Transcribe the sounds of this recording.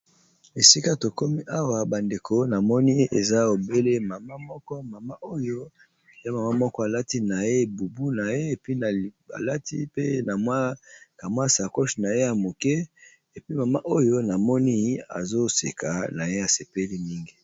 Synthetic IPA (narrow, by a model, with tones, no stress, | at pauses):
e˨si˦ka˦to˨ko˦mi˦ʔa˦wa˦ba˨nde˨kʰo˨na˨mɔ˦ni˦e˨za˦o˨be˦le˦ma˨ma˦mɔ˦kɔ˦ma˨ma˦ʔo˦jo˦ | e˨za˦ma˨ma˦mɔ˦kɔ˦a˨la˦ti˦na˨je˦bu˨bu˦na˨je˦e˨pi˦na˨a̰˨la˦tḭ˦pe˦na˨mwa˦ka˨mwa˦sa˨ko˦ʃna˨je˦ja˨mo˨kɛ˦ | e˨pi˦ma˨ma˦ʔo˦jo˦na˨mɔ˦ni˦a̰˨zo˦sḛ˨kʰa˨na˨je˦ja˨se˨pe˦li˦mi˦ŋɡi˨